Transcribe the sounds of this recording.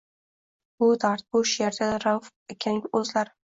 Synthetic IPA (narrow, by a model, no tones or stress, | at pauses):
bʊd̪aɾt̪̚bʊʃjaɾd̪ʲaɾawf | ekʲʰaŋʲɵzlaɾ